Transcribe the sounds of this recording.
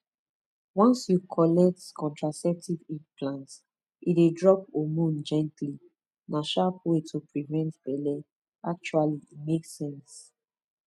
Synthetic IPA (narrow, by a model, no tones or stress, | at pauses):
wãnsjukʰɔlɛk̚tkʰɔ̃ntɹasɛp̚tiviplãnt | idedɹɔpomũnd͡ʒɛ̃ntli | naʃapwetʰopɹivɛ̃ntbɛlɛ | ak̚t͡ʃualimeksɛ̃ns